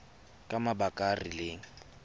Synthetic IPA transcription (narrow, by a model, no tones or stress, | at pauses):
kʼamabakʼarileːŋ̩